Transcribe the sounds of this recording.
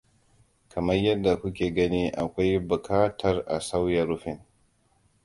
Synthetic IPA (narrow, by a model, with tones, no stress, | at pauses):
kʰɐ˨mɐ˦rjɐ˦dːa˨kʷʊ˦kʲeː˨ɡɐ˦niː˦ʔa˨kʷa˦jbʊ˨kʰaː˦tʰɐ˦˨rʔa̰˨sa˦wjɐ˨ɾʊ˦ɸɪ˦ŋ